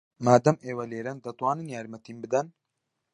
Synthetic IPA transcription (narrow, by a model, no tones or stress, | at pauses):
maːd̪ɐmeːwɐleːɾɐnd̪ɐt̪ˤwɑːnɨnjaːɾmɐt̪ʰiːmbɨd̪ɐn